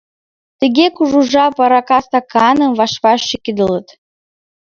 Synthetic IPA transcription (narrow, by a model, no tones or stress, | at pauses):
t̪ə̆ɣekuʒuʒɑpɑɾɑkɑst̪ɑkɑnə̆mβɑʃβɑʃːikid̪ələt̪